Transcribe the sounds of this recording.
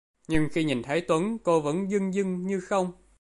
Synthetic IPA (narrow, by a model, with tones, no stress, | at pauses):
ɲɨ˧ŋxi˧ɲi˨˩nt̪ʰə˨˦jt̪wə˨˦nko˧və̰˧˥nzɨ˧ŋzɨ˧ŋɲɨ˧xə˧wŋ͡m